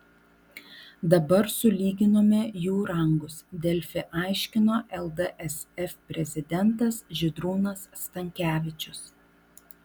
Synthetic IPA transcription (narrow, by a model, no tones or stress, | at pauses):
d̪ɐbɐɾsʊlʲiːɡʲɪnoːmʲɛjuːɾɐŋɡʊsd̪ʲɛlʲfʲɪʔɑˑɪʃʲkʲɪnoːʔɛlˠd̪əʔɛsɛfʲpʲɾʲɛzʲɪd̪ʲɛnt̪ɐsʒʲɪd̪ɾuːnɐst̪ɐŋʲkʲæːʋʲɪt͡ʃʲʊs